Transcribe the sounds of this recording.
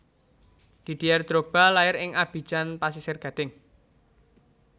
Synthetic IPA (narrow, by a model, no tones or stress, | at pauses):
d̪̥i̤d̪̥iard̪̥ɾob̥a̤lajɪɾɪŋab̥i̤̥d͡ʒ̥anpasisɪrɡ̥a̤d̪̥ɪŋ